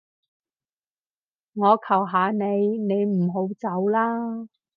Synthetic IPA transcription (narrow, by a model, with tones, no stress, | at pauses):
ŋɔː˨˧kʰɐ˨˩wɦaː˨˧ne˨˧jne˨˧jm̩˨˩ɦo˨˧˥wt͡sɐ˨˥wlaː˥